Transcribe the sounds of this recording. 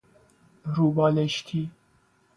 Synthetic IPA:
ɾubɑːleʃt̪ʰi

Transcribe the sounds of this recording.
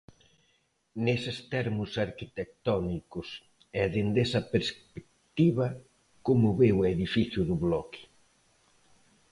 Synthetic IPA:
nesɪst̪ɛɾmʊsaɾkit̪ek̚t̪ɔnikʊs | ɛðend̪esɐpeɾspek̚t̪iβɐ | komʊβeweðifiθjʊðʊβlɔkɪ̥

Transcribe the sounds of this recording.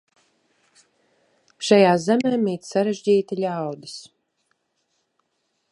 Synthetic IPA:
ʃajaːzɛmɛːmːiːt̪saɾeʒd͡ʑiːt̪aʎʲawd̪ɨs

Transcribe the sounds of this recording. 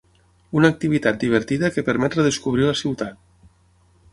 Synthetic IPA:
unəːk̚t̪iβ̞it̪at̪̚d̪iβ̞əɾt̪iðəkəpəɾmɛt̪reðəskuβ̞ɾiləsiwt̪at̪

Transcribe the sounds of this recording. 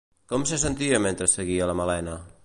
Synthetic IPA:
kɔmsəs̬ənt̪iəment̪ɾəsːəɣiələməlɛnə

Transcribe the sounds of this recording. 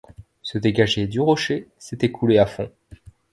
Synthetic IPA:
səd̪eɡaʒed̪yʁɔʃeset̪ɛkʰuleafɔ̰̃

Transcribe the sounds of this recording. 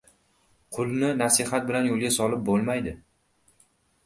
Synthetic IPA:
qʰʊlˠnɪnasɪhat̪̚bɪlanjolˠɡʲasɒlɪp̚bolˠmajd̪ɪ

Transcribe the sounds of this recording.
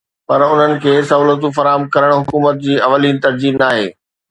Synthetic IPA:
pɐɾʊn̤ənɪ̆kʰeːsɐuːlət̪̬ũfɐɾaːɦəmkɐɾəɽ̃ɦʊkuːmət̪̚d͡ʑiːɐʋəliːnt̪ɐɾd͡ʑiːnaːɦḛː

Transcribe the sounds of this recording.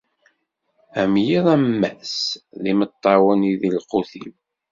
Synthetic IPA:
æmjiðˤæmːæsðimət̪ˤːɑwəniðilqʊθim

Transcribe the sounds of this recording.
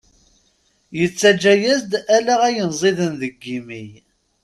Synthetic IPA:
jət͡sːæd͡ʒːæjæzd̪ælæʁæjənzˤiðənðəɡːimij

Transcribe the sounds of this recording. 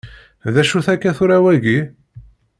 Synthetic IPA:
ðæʃuθækːæθʊɾæwæʝi

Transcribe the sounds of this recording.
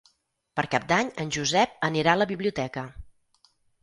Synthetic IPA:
pəɾkap̚d̪aɲənʲʒuzɛp̚əniɾaələβiβliut̪ɛkə

